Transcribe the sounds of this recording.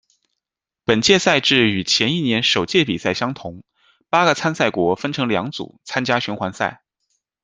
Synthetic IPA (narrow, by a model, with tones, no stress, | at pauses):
pə˨˩nt͡ɕjɛ˥˧sa˥˧ɪʈ͡ʂɻ̩˥˩y˨˩t͡ɕʰjɛ˧˥ni˥˩njɛ˧˥nʂo˨˩ʊt͡ɕjɛ˥˩pḭ˨˩sa˥˩ɪɕjɑ˥ŋt̪ʰʊ˧˥ŋ | pa˥ɡə˨t͡sʰa˥nsa˥˩ɪkwɔ˧˥fə˥nʈ͡ʂʰɤ˧˥ŋljɑ˧˥ŋt͡sṵ˨˩˦t͡sʰa˥nt͡ɕja˥ɕy˧˥nxwa˧˥nsa˥˩ɪ